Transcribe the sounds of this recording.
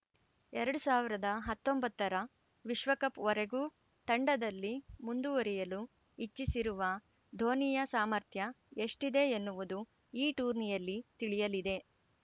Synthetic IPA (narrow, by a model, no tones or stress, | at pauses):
ɛɾɐɽusaːʋiɾɐd̪ɐɦɐt̪ːombɐt̪ːɐɾɐ | ʋiʃʋɐkɐpɔɾeɡuː | t̪ɐɳɖɐd̪ɐlːimund̪uʋɐɾɛjɐlu | it͡ʃːisiɾuʋɐ | d̪ʱo̞ːnijɐsaːmɐɾt̪ʰjɐ | e̞ʂʈid̪e̞enːuʋud̪u | iːʈuːɾnijɐlːit̪iɭijɐlid̪e̞